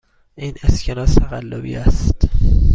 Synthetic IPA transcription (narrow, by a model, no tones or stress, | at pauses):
ʔiːnescʰenɒːst̪ʰæɣælːobḭːæst̪